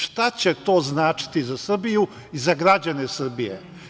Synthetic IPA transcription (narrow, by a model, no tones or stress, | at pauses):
ʃt̪at͡ɕet̪o̞ːznaːt͡ʃi̥t̪izasr̩biju | izaɡɾad͡ʑanesr̩bijḛ